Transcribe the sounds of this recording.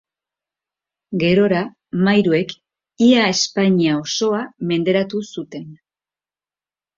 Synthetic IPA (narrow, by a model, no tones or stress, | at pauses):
ɡe̞ɾo̞ɾa | majɾue̞k | iae̞spaɲiao̞so̞ame̞nd̪e̞ɾat̪usut̪e̞n